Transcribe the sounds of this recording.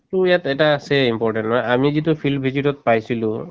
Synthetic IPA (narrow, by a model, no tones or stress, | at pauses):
tujat̪ɛtaːsɛimpɔɹʈɛntnɔjamizit̬upʰilbʱizitɔt̪̚pajsilũ